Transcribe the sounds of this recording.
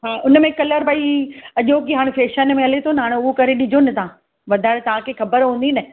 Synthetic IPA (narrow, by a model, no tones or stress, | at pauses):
ɦaːʔʊnə̆mẽkɐləɾbaːiɐʄokiɦaːɽ̃feːʃənmẽɐlet̪ʰonɦaːɽ̃ʊɦokɐɾeɗɪd͡ʑʱonɪ̆t̪aã | ʋɐd̪ʱaːɪɽt̪ɐʋ̤ãkʰexɐbəɾɦũːn̆d̪inɐ